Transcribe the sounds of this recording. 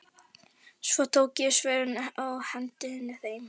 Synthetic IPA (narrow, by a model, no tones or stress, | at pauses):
svɔt̪ʰoːwcɪsvɛːɾʏnawhɛnt̪ɪhɪnːɪθejm